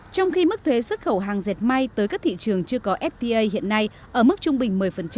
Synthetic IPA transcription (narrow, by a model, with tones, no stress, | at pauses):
t͡ɕɔ˧wŋ͡mxi˧mɨ˦˥k̚t̪ʰwe˨˦swə˦˥t̚xə˧˩wɦaː˨˩ŋze˨˩t̚ma˧jt̪əː˨˦jkaː˦˥k̚t̪ʰḭ˧˨t͡ɕɨ˨˩əŋt͡ɕɨ˧əkɔ˨˦ʔɛ˦˥p̚t̪i˧ʔə˧jhḭ˧˨ənːa˧j | ʔəː˧˩mɨ˦˥k̚t͡ɕʊ˧ŋ͡mɓï˨˩ŋ̟mɨ˨˩əjfə˨˩nt͡ɕ